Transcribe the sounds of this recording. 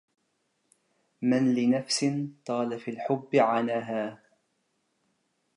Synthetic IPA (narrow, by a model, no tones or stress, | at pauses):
manlɪnafsɪnt̪ˤɑːlafiːlħʊbːɪʕanaːɦaː